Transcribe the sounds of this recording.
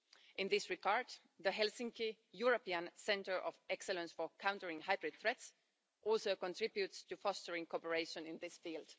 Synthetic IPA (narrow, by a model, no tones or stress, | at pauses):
ʔɪ̃nðɪsɹɪɡɑɹd̪ | ðəɦɛlsɪ̃ŋki | juɹəpiə̃nsɛ̃ntə˞ʔɔvɛksɛlə̃nsfə˞kʰãʊ̃ntə˞ɪ̃ŋhaɪbɹɨd̪̚θɹɛts | ʔɔlˠsoʊkə̃ntʰɹ̥ɪbjutstɨfɔstə˞ɪ̃ŋkʰɔpəɹeɪʃə̃nɪ̃nðɪsfilˠd̥